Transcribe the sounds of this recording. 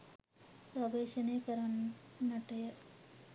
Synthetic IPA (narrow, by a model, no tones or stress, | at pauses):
pɐʋeːɕɐneːkɐɾannːɐʈːɐjɐ